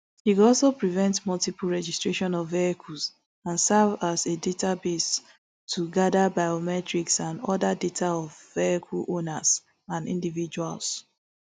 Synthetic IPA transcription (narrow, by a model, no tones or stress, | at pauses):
hikɔlˠsopɹivɛ̃ntmɔltipul̩ɹɛd͡ʒistɹ̥eʃɔ̃nɔvːeɛkʰuls | ãnsavazedetʰabes | tʰːuɡadabaɪomɛtɹiksãndɔdadetʰaɔvːeɛkʰulonas | ãnḭ̃ndivid͡ʒua̰ls